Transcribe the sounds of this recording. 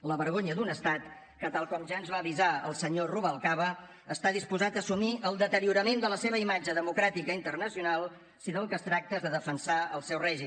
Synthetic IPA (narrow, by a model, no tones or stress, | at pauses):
ləβəɾɣoɲəd̪unəst̪at̪ | kət̪alˠkɔmʒaənzβaːβizaəlˠsəɲoruβəlˠkaβə | əst̪aðispuzat̪əːsumiʔəlˠd̪ət̪əɾiuɾəmend̪ələseβ̞əimad͡ʒəðəmukɾat̪ikəint̪ərnəsiunalˠ | siðolˠkəst̪ɾak̚t̪əzðəðəfənsaəlˠsɛwrɛʒim